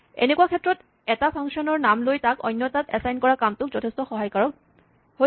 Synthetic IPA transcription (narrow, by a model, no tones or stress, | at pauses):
ḛnekuakʰɛtɹɔt | ɛtapʰaŋksiɔnɔɹnamlojtakɔ̰jnːjɔtatɛsajnkɔɹakamtʊk̚zɔtʰestɔxɔɦajkaɹɔk | ɦo